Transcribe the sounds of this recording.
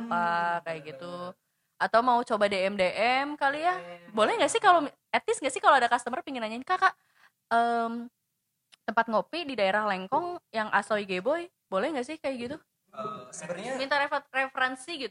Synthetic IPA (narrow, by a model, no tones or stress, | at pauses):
pakajaɡit̪u | at̪awmaut͡ʃobadeɛmdeʔɛmkalijabolɛhŋɡaʔsɪhkalo | ɛt̪ɪsŋɡaʔsɪhkaloadakast̪əmərpiŋinaɲainkakaʔ | əm | t̪əmpat̪̚ŋopididaeɾahlɛŋkɔŋjaŋʔa̰soiɡebɔj | bolɛhŋɡaʔsɪhkajaɡit̪u | mint̪aɾerefəɾɛnsiɡit̪